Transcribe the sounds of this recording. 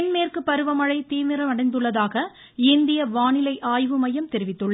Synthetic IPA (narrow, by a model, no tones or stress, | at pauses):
nmeːrkɯpːɐɾɯʋɐmɐɻɐɪt̪iːmɪɾɐmɐɽɐɪnd̪ɯɭːɐðaːɣɐ | ɪnd̪ɪjɐʋaːnɪlɐɪʔaːjʋɯmɐjɐmt̪ɛɾɪʋɪt̪ːɯɭːɐ